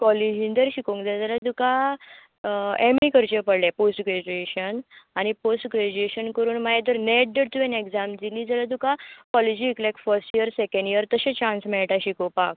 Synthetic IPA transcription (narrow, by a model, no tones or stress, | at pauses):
kɔlid͡ʑĩnd̪əɾɕikõŋkd͡zald͡zalad̪uka | emikəɾt͡ɕepəɽljaposʈɡɾed͡ʑueɕənañiposʈɡɾed͡ʑueɕənkəɾuːnmajed̪əɾnɛʈ̚d̪əɾt̪uʋenekd͡zamd͡ziliːd͡zalat̪ukakɔled͡ʑiːklɛkfəɾsʈijəɾsekə̃ɳɖijəɾt̪əɕẽt͡ɕãnsmɛɭʈaɕikopak̚